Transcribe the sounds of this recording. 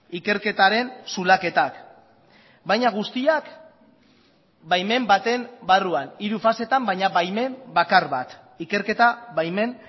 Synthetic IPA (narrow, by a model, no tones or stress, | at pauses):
ike̞ɾke̞t̪aɾe̞nsulake̞t̪ak | bajɲaɣ̞ust̪iak | bajme̞mbat̪e̞mbaruaniɾufase̞t̪ambajɲaβajme̞mbakaɾβat̪ | ike̞ɾke̞t̪aβajme̞n